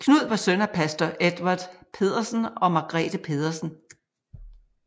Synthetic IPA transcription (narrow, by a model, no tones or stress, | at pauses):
kʰnuð̞̰ˠʋɑsønɐpʰæsd̥ɒʔed̥ʋɑd̥ˠpʰe̝ð̞̰ˠɐsn̩ɒ̽mɑ̈ɡ̥ʁɛ̰d̥əpʰe̝ːð̞ˠɐsn̩